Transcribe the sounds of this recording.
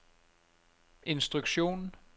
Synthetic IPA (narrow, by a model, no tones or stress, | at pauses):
ʔe̝nsd̥ʁuɡ̥ɕo̝̰ːn